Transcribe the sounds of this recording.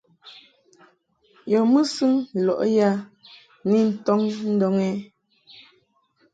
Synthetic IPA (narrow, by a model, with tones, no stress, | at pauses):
jɔ˨mɨ˦sɨ˦ŋ˨lɔ̰˨ʔja˦ | ni˦˨n̩˨tɔ˦ŋn̩˦dɔ˦ŋɛ˦